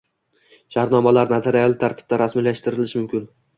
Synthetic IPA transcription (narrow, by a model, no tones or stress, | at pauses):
ʃaɾnɒmalaɾnat̪ʰeɾijalˠɪt̪ʰaɾt̪ʰɪ̥b̚t̪aɾasmilaʃt̪ɪɾɪlɪʃmʊmkʲɪn